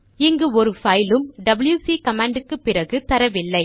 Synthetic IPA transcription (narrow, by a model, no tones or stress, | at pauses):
ɪŋɡɯɔɾɯfɐjlɯmɖɐbɪljuːsikɐmaːɳɖɯkːɯpːɪɾɐɣɯt̪ɐɾɐʋɪlːɐɪ